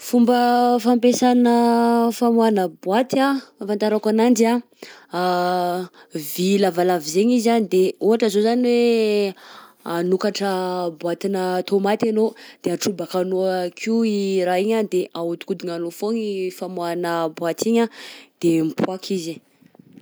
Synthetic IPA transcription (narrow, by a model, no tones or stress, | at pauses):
fumbəfampesanəfamuanəbwat̪iaafant̪aɾakanaɳɖ͡ʐia | vilavalavizeɲizanid̪euɦaʈ͡ʂəzozaniwe | anukaʈ͡ʂəbwat̪inət̪ʰomat̪anod̪̥eaʈ͡ʂubakanoakʰiiɾaiɲad̪eʔaut̪u̥kud̪iŋanofoŋifamuanəbwat̪iɲad̪̥empʰwakʰizi